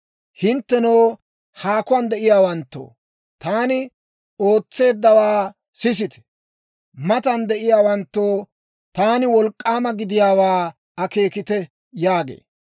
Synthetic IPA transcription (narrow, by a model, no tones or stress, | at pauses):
hɪnt̪ːɛnoː | haːkʊwɐnd̪ɛʔɪjaːwɐnt̪ːo̰ː | t̪aːnɪ | o̞ːt͡sːe̞ːd̪ːɐwaː | sɪs̬ɪt̪ɛ̥ | mɐt̪ɐnd̪ɛʔɪjaːwɐnt̪ːoː | t̪aːnɪwɔlkʼːaːmɐɡɪd̪ɪjaːwaː | ɐke̞ːkɪt̪ɛ | jaːɡḛː